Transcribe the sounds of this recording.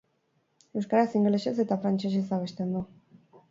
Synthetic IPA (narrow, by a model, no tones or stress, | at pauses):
e̞wskaɾasiŋɡleʃes̬e̞t̪afɾant͡ʃe̞ʃ̬e̞s̬aβ̞e̞st̪end̪u